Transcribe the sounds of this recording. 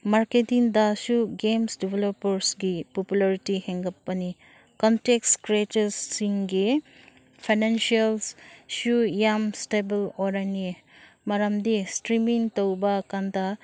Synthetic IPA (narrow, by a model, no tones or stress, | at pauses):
maɾketiŋdasuɡemsdibʱelopɐɾsɡipopulaɾitiheŋɡɐpːɐni | kɔntekskɾetesːiŋɡi | pʰajnensialssujamstebeloɾani | mɐɾamdistɾimiŋtowbɐkanda